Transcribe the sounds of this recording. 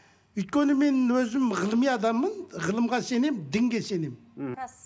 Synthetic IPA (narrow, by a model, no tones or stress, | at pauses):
ʏjt̪̚kʲenɪmenwɵzɪmʁəlˠmijɑd̪ɑmːənʁəlˠəmʁɑsenemd̪ɪŋɡʲesenem